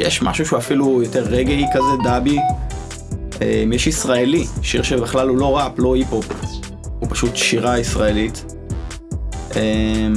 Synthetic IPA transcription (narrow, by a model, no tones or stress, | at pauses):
jeʃma̰ʃuʃuafilujot̪eʁːeɡeikazed̪abi | emjɛʃisʁaeliʃiʁʃebeχlalulo̞ʁaplo̞hipop | hupḁʃutʃiʁaisʁaelit | em